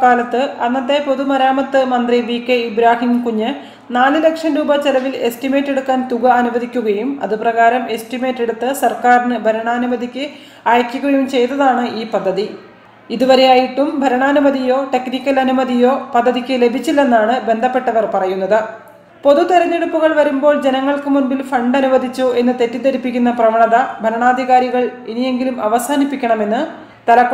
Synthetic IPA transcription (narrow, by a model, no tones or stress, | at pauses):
kaːlɐt̪ːɨɐnːɐt̪ːe̞po̞ðumɐɾaːmɐt̪ːɨmɐnd̪riʋiːkːeibɾaːhinkuɲːɨ | naːlɨle̞kʂɐnɾuːbɐt͡ɕelɐʋile̞sʈime̞ːtːe̞ɽukːaːnt̪uɣɐɐnuʋɐd̪ikʲːuɣɐjumɐ̰ðɨprɐɣaːɾɐme̞sʈime̞ːtːeɽut̪ːɨsɐrkaːɾinɨbʱɐɾɐɳaːnumɐd̪ikʲːɨ | aːjɐkʲːuɣɐjumt͡ɕe̞jt̪ːɐðaːɳɨʔiːpɐd̪ʱːɐði | iðuʋɐɾe̞jaːjiʈːumbʱɐɾɐɳaːnumɐðijo̞ːʈe̞knikʲːɐlɐnumɐðijo̞ːpɐd̪ʱːɐðikʲːɨle̞bʱit͡ɕːilːenːaːɳɨbe̞nd̪ʱɐpːe̞ʈːɐʋɐrpɐrɐjunːɐðɨ | po̞ðut̪ɐɾɐnːeɽupːuɣɐɭʋɐɾumbo̞ːɭd͡ʑe̞nɐŋːɐɭkɨmuɳbilfɐɳɖɐnuʋɐd̪ʱit͡ɕːoʔe̞nːɨt̪e̞tːit̪ɐɾipːikʲːunːɐprɐʋɐɳɐðɐbʱɐɾɐɳaːd̪ʱiɣaːɾiɣɐɭinije̞ŋɡilumɐʋɐsaːnipːikʲːɐɳɐme̞nːɨ | t̪ɐlɐkː